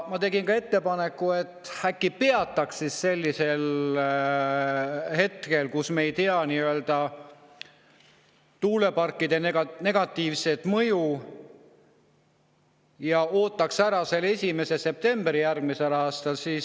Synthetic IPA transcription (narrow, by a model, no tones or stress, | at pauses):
mɑt̪e̞ɡinkɑe̞t̪ːe̞pɑnekːˑue̞t̪ːˑhækːipe̞ɑt̪ˑːɑksːisse̞lʲːise̞l | he̞t̪ke̞lkusme̞jt̪eɑniøld̪̥ɑ | t̪uːle̞pɑrkːˑid̪̥e̞neɡne̞ɡ̥ɑt̪ːiːvse̞t̪mɤ̞ju | jɑo̞ːt̪ːˑɑksæɾɑse̞lːesʲime̞se̞se̞p̚t̪e̞mbɾijærɡ̥mise̞lɑːst̪ɑlsiːs